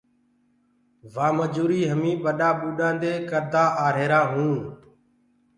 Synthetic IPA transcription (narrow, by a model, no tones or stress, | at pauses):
ʋaːməd͡ʒuːɾiːɦəmĩːɓəɗaːɓuːɗãːnd̪eːkəɾd̪ʱaːʔaːɾeːɾaːɦũːn